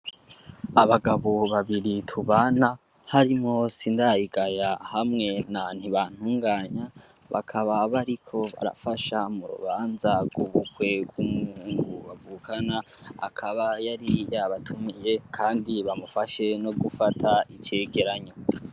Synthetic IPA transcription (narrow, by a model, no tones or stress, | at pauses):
aβaɡaβoβaβiɾitʰuβana | haɾimŋo̞sindaiɡajahamŋe̞nan̥iβan̥huːŋɡaːɲa | βa̰kʰaβaβaɾikʰo̞βa̰ɾa̰faʃamuɾṵβaːnzaɡuβukwe̞ɡwumuhuːŋɡuβavuːkʰana | a̰kʰaβajaɾijaβatʰumije̞kʰaːndiβamufaʃe̞no̞ɡufatʰaice̞ːɡe̞ɾaɲo